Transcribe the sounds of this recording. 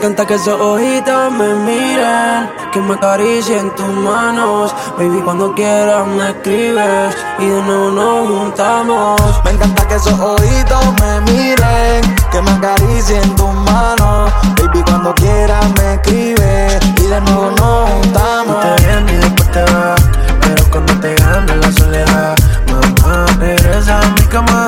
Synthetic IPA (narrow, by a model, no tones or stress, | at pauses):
ŋkãnt̪akesoʔohit̪omemiɾeŋ | kemakaɾisent̪umanos | bejbikwãnd̪okjeɾamekɾiβes | iðenonomunt̪amosmẽŋkãnt̪akesoʔohit̪omemiɾeŋkemakaɾizent̪umanobejbikwand̪okjeɾamekɾiβe | iðeno | nount̪a | mot̪eɾenipat̪e | peɾokand̪ot̪eɣand̪elasoleðamemapeɾez̬amikama